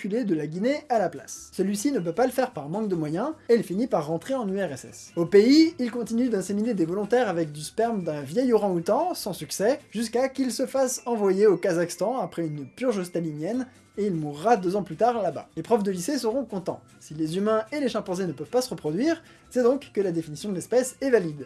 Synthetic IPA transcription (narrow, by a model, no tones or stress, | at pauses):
kyled̪əlaɡʲinealapla̰sːəlɥisinəp̬øpaləfɛʁpaʁmɑ̃k̚d̪əmwajɛ̃eilfinipaʁːɑ̃t̪χeɑ̃nyɛʁɛsɛ̰sopeiilkɔ̃t̪inyd̪ɛ̃semined̪evɔlɔ̃t̪ɛʁavɛk̚d̪yspɛʁmd̪ɛ̃vjɛjɔʁɑ̃ut̪ɑ̃sɑ̃syksɛʒyskakilsəfasɑ̃vwajeokazakst̪ɑ̃apχɛynpyʁʒost̪alinjɛn | eilmuʁːad̪øzɑ̃plyt̪aʁlaba̰lepχɔvd̪əlisesəʁɔ̃kɔ̃t̪ɑ̰̃ | silezymɛ̃eleʃɑ̃ʁpɔ̃zenəpœv̥pasəʁəpχɔd̪ɥiːʁ | sɛd̪ɔ̃kːəlad̪efinisjɔ̃d̪əlɛspɛsɛvalid̪